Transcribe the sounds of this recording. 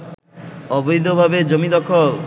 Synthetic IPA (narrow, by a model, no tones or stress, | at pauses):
ɔbojd̪ʱobʱabed͡ʒomid̪ɔkʰɔ